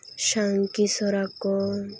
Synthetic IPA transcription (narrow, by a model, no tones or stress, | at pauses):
ʃaŋkisɔɾakɔ